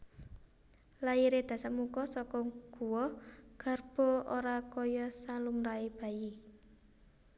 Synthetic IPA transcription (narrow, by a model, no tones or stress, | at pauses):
laiɾed̪̥ä̤səmukɔsɔkɔɡ̥ṳwɔɡ̥a̤rb̥ɔ̤oɾakɔjɔsalumɾaeb̥a̤ji